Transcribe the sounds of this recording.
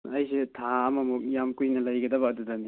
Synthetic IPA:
ɐjsetʰaɐmɐmuk̚jamkujnɐlajɡɐdɐbɐkɐdudɐni

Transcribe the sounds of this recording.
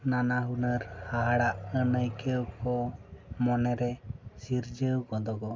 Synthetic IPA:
nanaɦunəɾhaɦaɽaʔənəjkəwkɔmɔnɛɾɛsiɾd͡ʒəwkɔd̪ɔɡɔ

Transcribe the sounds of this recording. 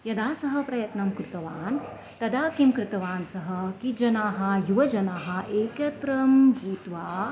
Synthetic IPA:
jɐd̪aːsɐɦɐ̆pɾɐjɐt̪nɐmkɾɪt̪ɐʋaːn | t̪ɐd̪aːkimkɾɪt̪ɐʋaːnsɐɦɐkid͡ʒɐnaːɦɐ̆juʋɐd͡ʒɐnaːɦɐʔeːkɐt̪ɾɐmbʱuːt̪ʋaː

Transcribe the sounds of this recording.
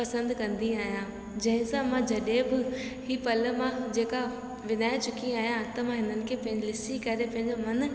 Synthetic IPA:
pɐsə̃nd̪kɐ̃nd̪iaːɦijã | d͡ʑɐ̃ɦɪ̃sãmãd͡ʑɐɗẽbɪ | hiːpɐləmãd͡ʑeːka | ʋɪnaːet͡ɕʊkʰiaːɦijãt̪ɐmãɦɪnənɪ̆kʰeːpɐ̃ɦɪ̃ɲd͡ʑilɪsikɐɾepɐ̃ɦɪ̃ɲd͡ʑomɐn

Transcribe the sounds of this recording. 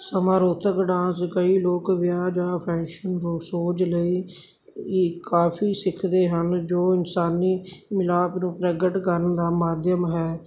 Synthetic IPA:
səmaːɾoːt̪əkɖãːskəiːloːkʋɪjaːd͡ʒaːpʰɛ̃ːkʃənɾũːsoːd͡ʒləiː | kaːpʰiːsɪkʰd̪eːɦənd͡ʒoːɪnsaːniːmɪlaːpnũːpɾəɡəʈkəɾnd̪aːmaːd̪jəmɦɛː

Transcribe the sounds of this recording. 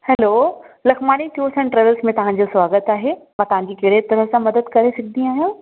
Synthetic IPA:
hɛloːlɐxʰmaːniʈʰiuːsɛ̃nʈɾɛːʋəlsmẽt̪ɐʋ̤ãɲd͡ʑoswaːɡət̪aːɦemãːt̪ɐʋ̤ãɲd͡ʑiːkɐɦɪɽet̪ɐɾəsãmɐd̪əd̪kɐɾesɐk̚ʰnĩaːɦijũː

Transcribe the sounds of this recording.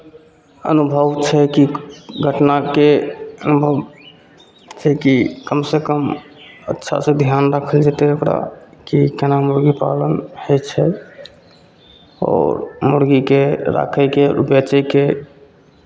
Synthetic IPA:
ə̰nubʱəʋt͡ʃʰɛkiɡʱəʈnakeənubʱəʋ | t͡ʃʰɛkikəmsekəm | ə̰tːʃʰa̰sed̪ʱjanɾakʰəld͡ʒet̪eukɾa̰kikenamuɾɡipa̰lənhet͡ʃʰɛ | ɔ̰ɾmuɾɡikeɾa̰kʰəjkeɾṵpjat͡ʃəke

